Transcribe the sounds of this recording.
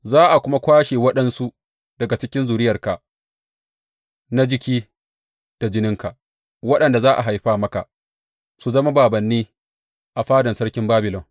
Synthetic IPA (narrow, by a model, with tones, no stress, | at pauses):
zaː˦ʔa˨kʷʊ˦ma˦kʷaː˦ʃeː˨wɐ˦ɗɐ˦nsu˦ | d̥ɐ˨ɡa˨t͡ʃɪ˦kʲɪ˦nzuː˨ɾɪ˦jɐ˨rka˨ | na˦d͡ʒɪ˦kʲiː˦ | d̥a˨d͡ʒɪ˦nɪ˦ŋka˨ʔ | wɐ˦ɗɐ˨nda˨zaː˦ʔa̰˨ɦa˨jɸaː˦mɐ˦ka̰˨ʔ | su˨zɐ˦ma˦baː˨bɐ˨nːiː˦ | ʔa˨ɸaː˦dɐ˨nsɐ˦ɽkʲɪ˦mbaː˦bɪ˨lɔ˨ŋ